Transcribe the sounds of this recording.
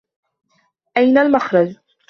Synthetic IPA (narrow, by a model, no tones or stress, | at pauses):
ʔajnalmaxɾˤɑd͡ʒ